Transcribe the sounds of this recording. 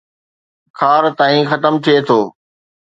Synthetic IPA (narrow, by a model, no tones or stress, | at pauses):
kʰaːɾt̪aːĩxɐt̪əmt̪ʰiet̪ʰoː